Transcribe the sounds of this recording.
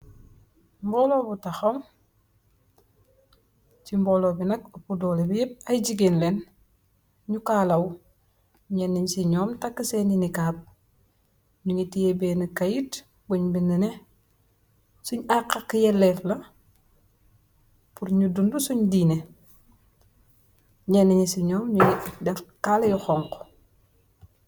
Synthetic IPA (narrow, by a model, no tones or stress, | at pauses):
mbɔːloːbutaxom | t͡ʃimbɔːlobinɐkɐpudɔːlebijep̚ajɟiɡenlen | ɲukaːlɐw | ɲɛnːiɲsiɲɔːmtakːəseninikaːp̚ | ɲuŋitijebɛːnikɐjit | buɲbininɛ | suɲakːakːjɛlːɛflɐ | puɾɲudundusuɲdiːne | ɲɛnːiɲisiɲɔːmɲuŋidɛfkalɐjuxɔŋko̥